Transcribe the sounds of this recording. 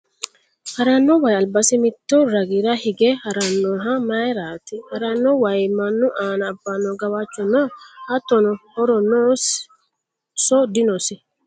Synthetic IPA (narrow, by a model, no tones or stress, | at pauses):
hɐɾɐnːɔwɐjɐlbɐsɪmɪt̪ːɔɾɐɡiɾɐhɪɡɛhɐɾɐnːɔːɦɐmɐjɾaːt̪ɪhɐɾɐnːɔwɐjmɐnːʊʔaːnɐːbːɐnːɔɡɐwat͡ʃːɔnɔhɐt̪ːɔnɔhɔɾɔnɔːs | sɔd̪ɪnɔsɪ